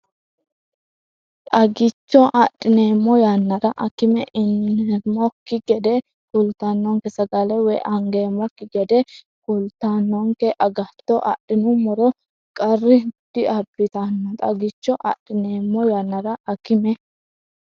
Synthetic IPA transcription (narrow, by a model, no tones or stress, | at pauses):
t̪ʼɐɡɪt͡ʃːɔʔɐɗɪneːmːɔjanːɐɾɐʔɐkɪmɛʔɪnɛmɔkːɪɡɛd̪ɛ | kʊlt̪anːɔŋkɛsɐɡɐlɛwɛʔɐŋɡe̞ːmːɔkːɪɡɛd̪ɛ | kʊlt̪ːanːɔŋkɛʔɐɡɐt̪ːɔʔɐ̰ɗɪnʊmɔɾɔ | kʼɐrːɪd̪̥ɪɐbɪt̪anːɔt̪ʼɐɡɪt͡ʃːɔʔɐ̰ɗɪneːmːɔjanːɐɾɐɐkɪmɛ